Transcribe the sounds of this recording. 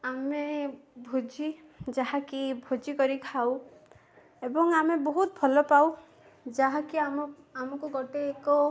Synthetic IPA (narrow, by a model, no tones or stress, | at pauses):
amebʱud͡ʒi | d͡ʒaɦakibʱod͡ʒikɔɾikʰaw | ebɔŋamebɔɦut̪̚bʱɔlɔpaw | d͡ʒaɦakiam | amɔkuɡɔʈeːkɔ